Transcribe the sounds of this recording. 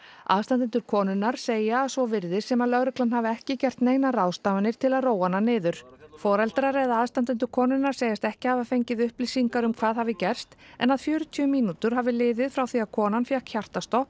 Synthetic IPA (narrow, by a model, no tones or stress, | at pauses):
a̰ðst̪ant̪ɪnt̪ʏɾkʰɔːnʏnːaɾ̥seːjaːsvɔvɪɾðɪsɛmaðlœɣɾʏklanhavɪɛhcɪcɛr̥t̪neːjnarawst̪avanɪɾ̥t̪ʰɪlaðroːwananɪːðʏɾ̥fɔːɾɛlt̪ɾaɾɛðaðst̪ant̪ɪnt̪̬ʏɾkʰɔːnʏnːaɾ̥seːjast̪ɛhcɪhavafejɲcɪðʏhplɪsiŋkaɾʏmkʰvaːðhaːvɪcɛr̥st̪ɛ̰naðfjœːɾʏt̪ʰyːʏmiːnut̪ʏɾ̥ɦaːvɪlɪːðɪðfɾawθiaðkʰɔːnanfjɛhkçar̥t̪ast̪o